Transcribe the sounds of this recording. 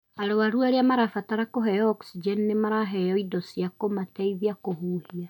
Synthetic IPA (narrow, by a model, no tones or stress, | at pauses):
aɾowaɾuaɾeamaɾafataɾakoɦɛjɔɔksid͡ʒɛnnemaɾaɦɛjɔidɔsiakomatɛiðiakohuːhia